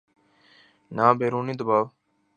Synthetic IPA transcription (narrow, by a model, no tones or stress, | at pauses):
naːbʱeːɾuːniːd̪əbaːʋ